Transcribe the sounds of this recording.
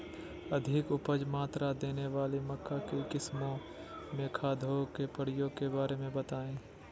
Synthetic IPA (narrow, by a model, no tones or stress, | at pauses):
ɐd̪ʱɪkʊpəd͡ʒmaːt̪ɾad̪eːneʋaːlimɐkʰːakekɪsmõ | mẽkʰaːd̪ʱokepəɽ̤ɪjõkebaːɾemẽbɐt̪aːẽː